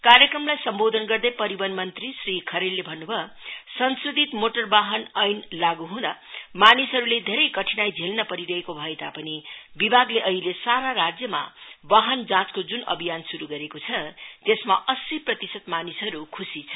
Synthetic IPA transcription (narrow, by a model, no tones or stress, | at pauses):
kaɾjʌkrʌmlajsʌmbod̪ʱʌnɡʌrd̪ʌjpʌɾibʌnmʌnt̪risrikʰʌɾelːebʱʌnːubʱʌsʌnsrid̪ʱit̪moʈʌrbaɦʌnʌjnlaɡuɦũd̪amanisɦʌɾuled̪ʱeɾʌjkʌʈʰinajd͡zʱelnʌpʌɾiɾʌɦekobʱʌet̪apʌnibibʱaɡleʔʌɦilesaɾaɾad͡zjʌma̰baɦʌnd͡zãt͡skod͡zunʌ̰bʱijansuɾuɡʌɾekot͡sʰʌt̪esmaʔʌsiprʌt̪isʌt̪manisɦʌɾukʰusit͡sʰʌ